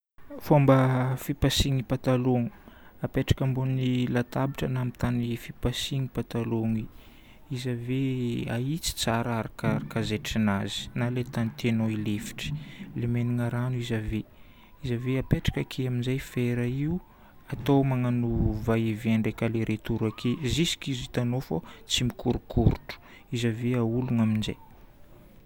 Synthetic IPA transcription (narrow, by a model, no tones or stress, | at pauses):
fombəfipasiŋipat̪aloŋu̥apeʈ͡ʂḁkambunnilat̪abiʈ͡ʂənamit̪anifipasiŋipat̪aloŋi | izaveait͡si̥t͡saɾaɾakaɾakazeʈ͡ʂinazi̥nalet̪anit̪enoilefi̥ʈ͡ʂi̥lemeniŋaɾanuizave | izaveapeʈ͡ʂḁkakʰeaminzajfeɾaiu | at̪owmaŋanuvaiveaɳɖ͡ʐekaleɾʔet̪uɾakʰezisi̥kizit̪anofot͡simikuɾukʰuɾuʈ͡ʂu̥ | izaveauluŋaminza̰j